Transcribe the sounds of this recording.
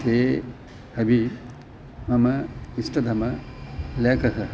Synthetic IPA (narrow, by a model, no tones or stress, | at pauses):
t̪eː | ɐbʱi | mɐmɐisʈɐd̪ʱɐmɐlekɐɦɐ